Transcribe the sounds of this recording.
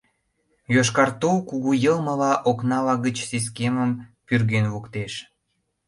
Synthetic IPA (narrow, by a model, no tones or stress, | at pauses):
joʃ̬kɑrt̪uwkuɣujəlmə̆lɑʔoknɑlɑɣət͡ɕsis̬keməmpyrɣenvukt̪eʃ